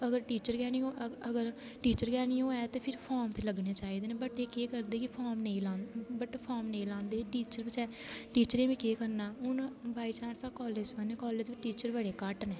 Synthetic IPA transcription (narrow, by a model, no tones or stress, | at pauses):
əɡəɾʈiːt͡ʃəɾɡɛːniːoəɡəɾ | ʈiːt͡ʃəɾɡɛːniːõːɛːt̪eːpʰɪɾpʰɔːmt̪ʰeːləɡneːt͡ʃaːiːd̪eːnẽːbəʈeːkeːkəɾd̪eːkɪpʰɔːmneĩːlãːnbəʈpʰɔːmneĩːlãːnd̪eːʈiːt͡ʃəɾbət͡ʃɛː | ʈiːt͡ʃəɾẽːʋĩːkeːkəɾnaːʊnbʱaːiːt͡ʃaːnsaːkɔːleːd͡ʒməneːkɔːleːd͡ʒʋiʈiːt͡ʃəɾbəɽeːkəʈnɛː